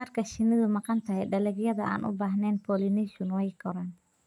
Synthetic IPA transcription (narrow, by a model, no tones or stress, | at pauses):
ɐrkʰɐʃɪnɪðʊmɑqɑnt̪ʰɐɦɛjɖɐlɛɡjɐðɐʔa̰ːnʔʊ̰baːɦnɛːnpʰɔːlɪnɛʃʊnwɛjkɔɾaːn